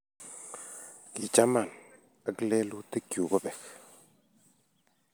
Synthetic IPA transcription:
ki˨t͡ʃa˦ma˨n | ə˦klɛ˦lu˦tə˦kju˨kɔ˦bɛ˨k

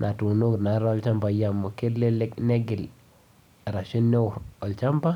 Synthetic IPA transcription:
nʔa˨tu˨no˦kna˨ɾɔ˦lt͡ʃa˦mba˨ja˨mu˨ke˦le˦le˦knɛ˦ɡɪ˨l | ɾa˨ʃi˦nːe˦˨ɔ˨lt͡ʃa˦mba˦

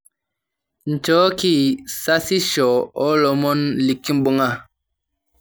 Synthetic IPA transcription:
n̩˨t͡ʃɔː˨˦ki˦˨sa˦si˦ʃɔ˨ɔ˦lɔ˨˦mɔ˦nli˨kːi˦m̩˦bu˦ŋa˦˨

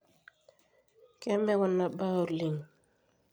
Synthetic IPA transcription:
ke˦me˦wɔ˦˨nːa˨ba˦u˨ɾli˨ŋ

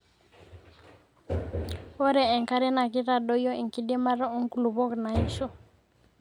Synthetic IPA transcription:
ɔ˦ɾɛ˨ɛ˨ŋka˦ɾɛ˦na˨ki˦ɾa˨ɗɔ˦jɔ˦ʔi˨ŋki˦dɛ˦ma˦ɾa˦ɔ˦ŋ˦ku˨lu˨βɔ˦kna˨i˦ʃɔ˦

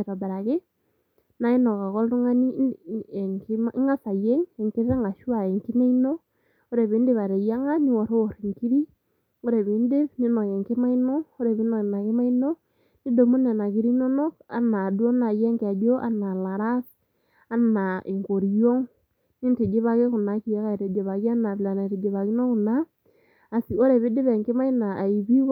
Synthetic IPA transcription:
ɾa˨ba˨ɾa˨ke˦ | na˨˦e˦nɔ˨ka˨kɔ˦ltu˦ŋa˦ni˦˨ | ŋkmi˦ŋa˦sa˨jɛ˦ŋɛ˨ŋke˦ɾa˦ŋa˨ʃwa˨ɛ˨ŋki˦ne˦i˦no˦ | o˦ɾe˨βe˨˦nde˦βa˨ɾe˨ja˦ŋa˦ni˦wɔ˨ɾo˦ɾi˨ŋki˦ɾi˦ | o˦ɾe˨βe˨˦nde˦βni˦na˨ke˨ŋke˦ma˦i˦nɔː˦ɾe˨βi˦nɔ˨na˨ke˦ma˦i˦no˦ | ni˦do˨mu˦ne˨na˨ki˦ɾi˦no˦no˦ka̰˦na˨du˦o˦na˨je˦ŋka˨d͡ʒo˦ʔa̰˦na˨la˨ɾa˦s | a˦na˨ʔi˨ŋko˨ɾi˨jo˦ŋ | ni˦nte˨d͡ʒe˦βa˦ke˦ku˨na˨ki˨ja˦ka˦˨ɾe˨d͡ʒe˨βa˨ki˦a˦na˨βla˨na˨te˨d͡ʒe˨βa˨ki˦no˦ku˨naː˦˨ | si˨o˦ɾe˨βi˦dɪ˦βe˨ŋki˦ma˦i˦na˨ʔːi˨βi˦

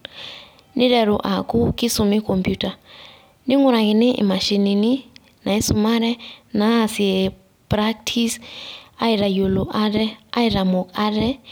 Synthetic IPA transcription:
ni˦ɾɛ˨ɾṵ˨ʔa˨ku˦kʼi˦sumi˦kʰʼompjutʼa˨ | ni˦ŋu˦ɾa˨ŋi˨nɛ˦ʔḭ˨ma˨ʃi˨ni˨ni | na˨i˦suma˦ɾɛ˦na˨˦si˨ɛ | pɾaktʰi˦sa˦i˨ɾa˨jo˨lu˨ʔa˦dɛ˦a˦iɾa˨mɔ˨kʼa˦ɾɛ˦

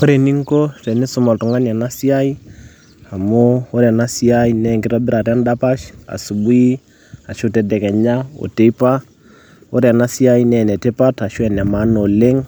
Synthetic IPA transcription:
o˦ɾe˨ni˦ŋko˦tɛ˨nɪ˦sʊ˨ma˨ltu˨ŋa˦na˨na˦si˦a˦i˦ | a˨mo˦o˦ɾa˨na˦si˦a˦i˦nɛ˦˨ŋɡɪ˦ɾa˦bɪ˦ɾa˨ɾa˦nda˦pa˦ʃa̰˨su˨bu˦i˦ | a˨ʃʊ˦tɛ˨dɛ˨kɛ˨ɲa˦o̰˨te˨˦i˦pa˦ | o˦ɾa˨na˦si˦a˦i˦nɛ˨nɛ˨te˦pa˦ta˨ʃu˦ɛ˨nɛ˨ma˨˦no˨le˦ŋ

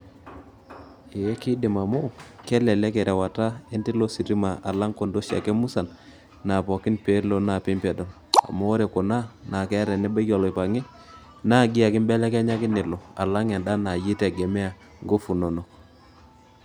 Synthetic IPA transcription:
e˨ɛ˦kɪ˦dɪ˨ma˨mo˦kɛ˦lɛ˨lɛ˦kɛ˨ɾɛ˨wa˨ta˦ɛ˦nti˦lo˦si˨ɾi˦ma˨ʔa˨la˦ŋko˨ndo˦ʃa̰˨kɛ˦mu˦sa˨n | na˨pɔ˨kɪ˦npe˦lo˦na˨pɪ˦mpɛ˨dɔ˨n | a̰˨mo˦ɾe˨ko˨na˦na˨kɛ˦ɾɛ˨nɛ˦ba˦ɡɔ˨lɔ˨ɪ˨pa˨ŋɛ˦ | na˦˨ɡi˦a˨kɪ˦mbɛ˦lɛ˦kɛ˦ɲa˦kɪ˦nɪ˨lo˨a̰˨la˦ŋɛ˨nda˦na˨ji˦tɛ˨ɡɛ˨mɛ˦a˨ | ŋɡo˦fu˨no˨no˨

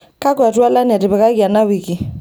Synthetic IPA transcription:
ka˦kwa˨tu˦a˦la˦ni˨a˨tɪ˨bɛ˨ka˦ki˨a˨na˦wi˨ki˨

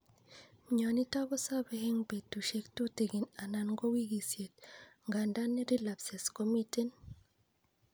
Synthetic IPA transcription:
mɲa˨ni˦ta˦βɔ˦sa˦be˦he˦ŋbe˨tu˨ʃe˦kto˦te˨ɡi˨na˨na˨nŋɡɔ˦wi˦ɡi˨sje˨t̚ŋɡa˨nda˦nːi˦ɾi˦la˨pse˨skɔ˦mite˦n

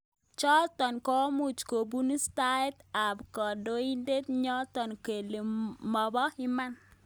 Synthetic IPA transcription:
t͡ʃɔ˦t̪ɔ˨nkɔ˦mu˨t͡ʃko˨bu˦ni˦sta˦ɛ˦ta˨bkɔ˨do˦i˦nde˦t̪ɲɔ˦t̪ɔ˨nke˨le˨mɔ˨bɔ˦ɪ˦ma˦n

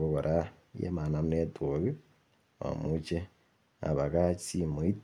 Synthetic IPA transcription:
ko˦ko˨ɾʔa | jḛ˦ma˨na˨mu˦ne˦tu˨ɣi˦ | o̰˨mut͡ʃe | a̰˨βa˨kai˦mu˨i˦t

